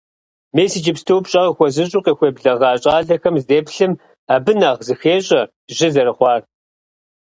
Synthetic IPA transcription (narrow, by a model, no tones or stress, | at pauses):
meːsid͡ʒɪpstʰowpɕʼɐʁxʷɔzɨɕʼuːqeːxʷeːbɮɐʁɑːɕʼɑːɮɐxɐmzdeːpɬɨm | aːbɨnɐʁzɨxeːɕʼɐ | ʒɪzɐɾɨχʷɑːr